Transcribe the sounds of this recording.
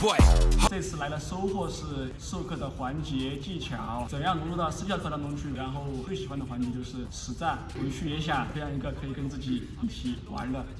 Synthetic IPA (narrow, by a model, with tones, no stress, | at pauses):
t͡sa˥˧ɪt͡sʰɹ̩˥˩la˧˥ɪlə˧ʂo˥ʊxwɔ˥˧ʂɻ̩˥˧ | ʂo˥˧ʊkʰɤ˥˩d̪ə˩xwa˧˥nt͡ɕjɛ˧˥t͡ɕi˥˩t͡ɕʰjɑ˨˧˦ʊt͡sə˨˩njɑ˥˩ŋn˧˥lɔ˥˧t̪ɑ˥˩ʊʂɹ̩ʰ˥˧˥jk̪ʰa˥˧ŋt̪ʊ˥ŋt͡ɕʰy˥˩ɻa˧˥nxo˥˩ʊwɔ˨˩xwe˥˩ɪɕi˨˩xwa˥nd̪ə˩xwa˧˥nt͡ɕjɛ˧˥t͡ɕjo˥˧ʊʂɻ̩˥˩ʂɻ̩˧˩t͡sa˥˩wə˧˥ɪɕy˥˩jɛ˧˥ɕ̬jɑ˨˩ŋfe˥ɪjɑ˥˩ŋi˧˥ɡə˧kʰɤ˧˥i˨˩kə˥nt͡sɹ̩˥˩t͡ɕi˨˩ | i˥˩t͡ɕʰi˨˩˦wa̰˧˥nd̪ə˧